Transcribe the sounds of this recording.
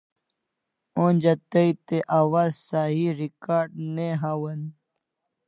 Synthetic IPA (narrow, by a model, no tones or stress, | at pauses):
onʲd͡ʑat̪əit̪eʔaːwaːzsaɦiɾikaːɾɖneɦawɐn